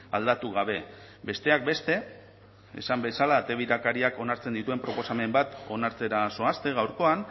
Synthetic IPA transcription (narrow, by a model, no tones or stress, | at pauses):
ald̪at̪uɣ̞aβ̞e̞ | be̞st̪e̞ak̚be̞st̪e̞ | ḛsambe̞salaːt̪e̞β̞iɾakaɾiako̞naɾt͡se̞nd̪it̪ue̞mpɾo̞po̞same̞mbat̪o̞naɾt͡se̞ɾaso̞ast̪e̞ɣ̞awɾko̞an